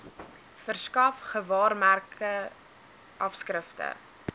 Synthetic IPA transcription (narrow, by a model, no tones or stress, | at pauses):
fərskɐfχəvɑːrmærkə | ʔɐfskrəftə̰